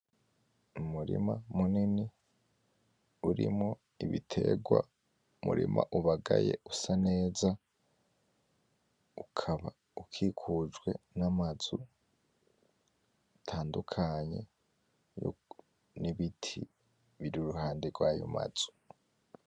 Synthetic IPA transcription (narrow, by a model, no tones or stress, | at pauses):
umuɾḭmamunini | uɾḭmŋo | iβitʰe̞ɡwa̰ | mṵɾḭmʔaʔuβaɡajeusane̞ːza | ukʰaβa | ukʰikʰud͡ʒɡwe̞namazu | tʰaːndukʰaɲe̞ | jo̰ | niβitʰi | βiɾiuɾuhaːndeɡwaːjo̰ma̰z̥u̥